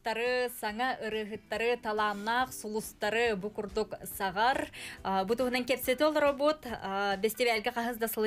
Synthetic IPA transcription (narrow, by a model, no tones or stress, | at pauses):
t̪ːɑɾəsɑŋɑʔɯɾəɦət̪ːɑɾət̪ʰɑlˠɑnɑqsulˠust̪ɑɾəbukurd̪oksɑʁɑɾbut̪uhənɑŋkʲʰepset̪olˠro̞bo̞t̪best̪ewælɡʲɪqʰɑɦəzd̪ɑsəlˠ